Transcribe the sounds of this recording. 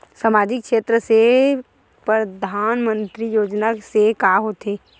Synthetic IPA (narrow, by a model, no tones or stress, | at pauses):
səmaːd͡ʒɪkʃeːt̪ɾəse | pɾəd̪ʱaːnmə̃nt̪ɾijoːd͡ʒnasekaːɦoːt̪eː